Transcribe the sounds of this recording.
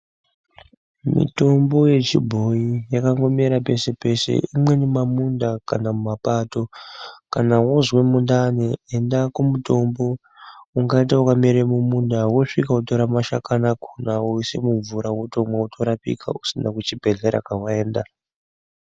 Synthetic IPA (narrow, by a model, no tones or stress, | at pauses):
mḭto̞mbo̞je̞t͡ʃibʱo̞ijakaŋɡo̞miɾape̞se̞pe̞se̞̰imwe̞nemamundakanamumapato̞kanawozwe̞mundaneendakumuto̞mbo̞ | uŋɡaitaukamiɾemumundawoʂikauto̞ɾamaʃakanakunawoisḛmuɱvuɾawotomwautʰoɾapḭkʰa̰usinakut͡ʃibʱe̞ɮe̞ɾa̰kawae̞ːnda